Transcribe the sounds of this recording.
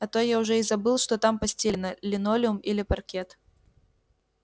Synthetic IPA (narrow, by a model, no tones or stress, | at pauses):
ɐt̪ojaʊʐɛizɐbɨlˠʂt̪ɔt̪ampɐsʲt͡sʲenəlʲɪnolʲɪʊmilʲɪpɐrkʲɛt̪